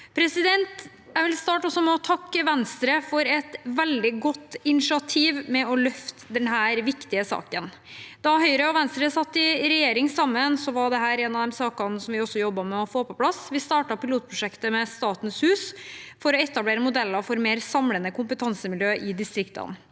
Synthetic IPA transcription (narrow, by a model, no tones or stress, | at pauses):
pʰɾɛsɪd̪ɛnt̪ | jæɪʋɪlst̪ɑːʈɔsːɔmɛɔt̪ʰɑkːəʋɛnst̪ɾəfɔɾɛt̪ʋɛld̪ɪɡɔt̪ːɪnɪʂɪɑt̪ʰiːʋmɛɔlœft̪əd̪ɛnɦæːɾʋɪkt̪ɪəsɑ̰ːkən | d̪̥ɑɦœʏɾəɔʋɛnst̪ɾəsɑt̪ːɪɾɛjeːɾɪŋsɑmːənsɔʋɑɖɛɦæːɾɛːnɑʋd̪ɛmsɑːkɑnsɔmʋɪɔsːɔjɔbːɑmɛɔfoːpɔpʰlɑsʋɪst̪ɑːʈɑpɪluːt̪̚pʰɾʊʂɛkt̪əmɛst̪ɑːt̪n̩shʉːsfɔɾɔɛt̪ːɑbleːɾəmʊd̪ɛlːɑfɔɾmeːɾsɑmlənəkʊmpət̪ʰɑnsəmɪljøːʔɪd̪ɪst̪ɾɪkt̪ə̰n